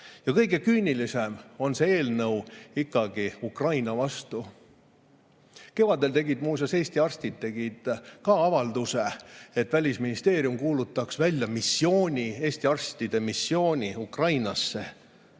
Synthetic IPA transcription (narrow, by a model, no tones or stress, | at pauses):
jɑkɤjɡe̞kyːnilisemo̞nseeːlnɤwikːɑɡ̥iukrɑjnɑvɑst̪u | ke̞vɑd̪̥e̞lt̪e̞ɡid̪muːs̬jɑse̞ːsʲt̪iɑrst̪id̪̚t̪ːe̞ɡ̥id̪̥kɑɑvɑld̪useet̪ːˑvælʲisminist̪e̞ːɾjumkuːlut̪ˑːɑksvælʲjɑmisːio̞ːnʲie̞ːst̪iɑrst̪id̪̥e̞misːjo̞ːnʲiukrɑjnɑsːe̞